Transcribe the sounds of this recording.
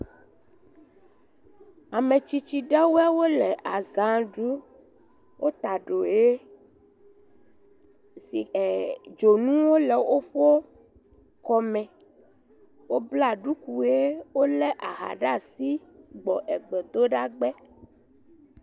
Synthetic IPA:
a˨mẽ˨t͡ʃi˦t͡ʃi˦ɖɛ˦wu˦ɛ˦wo˦lɛ˨ʔa˨zã˨ɖu˦ | wʔo˦t̪a˨ɖo˨je˦ | si˨e˨d͡ʒo˨nũ˦wo˦lɛ˨wo˦ɸo˦ | kɔ˦mɛ̃˨ | wo˦bla˨ɖu˦ku˨e˦wo˦lɛ˦ʔa˨ɦa̰˨ɖa˦˨si˦ɡ͡bɔ˨ʔɛ˨ɡ͡bɛ˨d̪o˦ɖa˦ɡ͡bɛ˦

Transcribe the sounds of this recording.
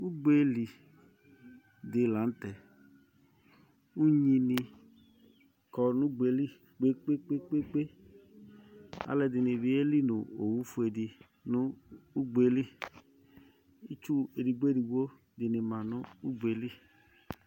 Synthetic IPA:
u˦ɡ͡be˦li˨ | di˨la˨˦n̩˦tɛ˨ | u˦ɲi˧ni˧ | kɔ˨nu˦ɡ͡be˨˦li˦ | k͡pe˦k͡pe˦k͡pe˦k͡pe˦k͡pe˦ | a̰˨lɛ˧di˨ni˨bi˨˦e˦li˦nu˨o˨wu˦fu˨˦e˨di˨ | nu˦u˦ɡ͡be˨˦li˦ | i˦t͡ʃu˦e˨di˨ɡ͡be˦di˨wo˦ | di˨ni˨ma˨nu˦u˦ɡ͡be˨li˦

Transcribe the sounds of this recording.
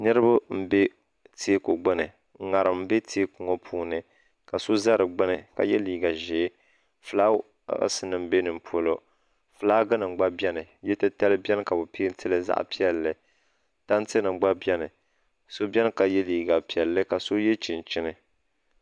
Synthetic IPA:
nɨ˦ɾɨ˦bʊ˦m̩˦be˦ | te˦ko˨ɡ͡bɨ˦nɨ˨˦ | ŋa˨ɾɨ˨m̩˦be˦tʰe˦ku˨ŋɔ˦pʰuː˦nɨ˨ | ka˨so˦za˦ɾɨ˨ɡ͡bɨ˦nɨ˨ka̰˨jɛ˦liː˨ɡa˨ʒe˨˦ | fɨ˨la̰ː˦ | sɨ˦nɨ˨m̩˦be˦nɨ˨m̩˨pʰo˨lo˨ | fɨ˨laː˦ɡɨ˦nɨ˨ŋ͡mɡ͡ba˦bjɛ˦nɨ˨jɛ˦tɨ˦ta˦lɨ˦bɛ˦nɨ˦ka˨bʊ˨pi˦n˦tɨ˦lɨ˦za̰˦ʔpi˦ɛ˨lːɨ˨ | ta˦n˦tɨ˦nɨ˨ŋ͡mɡ͡ba˦bjɛ˦nɨ˨ | so˦bʲɛ˦n˦ka˨jɛ˦liː˨ɡa˨pi˨ɛ˨lːɨ˦ka˨so˦jɛ˦t͡ʃi˨nt͡ʃɪ˦nɨ˨

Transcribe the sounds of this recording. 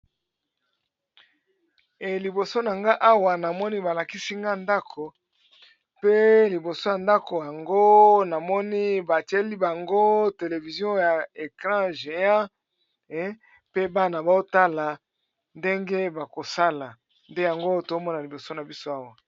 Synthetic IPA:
e˨li˨bo˨so˦na˨ŋɡa˦ʔa˦wa˨na˨mɔ˦ni˦ba˨la˨ki˦si˦ŋɡa˦nda˦kʰo˨ | pe˦li˨bo˨so˦ja˨nda˦ko˨ja˨ŋɡo˦na˨mɔ˦ni˦ba˨ti˦e˦li˦ba˨ŋɡo˦te˨le˨vi˨zjɔ̃˦ja˨e˨kʁã˦ʒe˨ã˦ | pe˦ba˦na˨ba˨o˦ta˦la˨ | nde˦ŋɡe˦ba˨ko˨sa˦la˨ | nde˦ja˨ŋɡo˦to˨˦mɔ˦na˨li˨bo˨so˦na˨bi˦so˦a˦wa˨

